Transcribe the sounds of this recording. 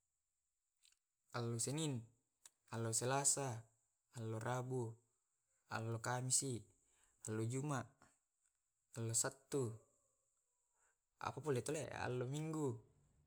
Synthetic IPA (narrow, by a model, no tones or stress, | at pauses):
alːosenin | alːoselasaː | lːorʔabu | a̰lːokamisi | alːod͡ʒumaʔ | alːosat̪ːu | a̰papolet̪olḛʔa̰lːomiŋɡu